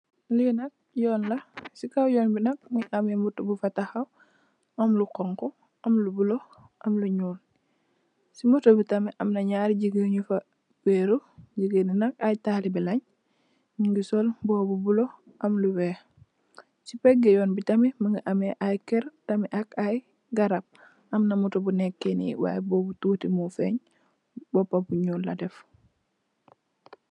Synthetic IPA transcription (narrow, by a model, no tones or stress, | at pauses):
linɐk̚jɔːnlɐsikawjɔːnbinɐk̚miʔɐmemuɾtobufɐtaxɐw | ɐmlukɔŋkɔ | ɐmlubulo | ʔɐmluɲuːn | simutobutɐmiʔɐmnɐɲaːɾɟiɡəɲufa | beɾuɟəɡənunɐkajtaːlibilɐɲ | miŋɡisɔlbɔːbubulo | ʔamluwɛ | sipɛɡːɛjɔnbitamiməŋɡiʔameʔajkɛɾtamiʔakaj | ɡaɾab̚ | amnamutobunɛkːenḭwa̰ːjɛbobutuːtimufɛɲ | bɔpːabuɲuːnladɛf